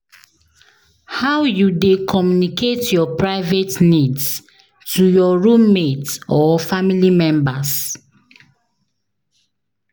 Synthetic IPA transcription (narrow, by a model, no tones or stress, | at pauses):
hawjudekʰɔmjunikʰetjɔpɹaɪvetnids | tujɔɹũmmetsɔfamilimɛ̃mbas